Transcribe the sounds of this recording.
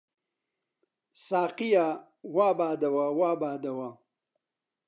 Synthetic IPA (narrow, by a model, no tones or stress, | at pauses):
saːqija | waːbaːd̪ɐwawaːbaːd̪ɐwa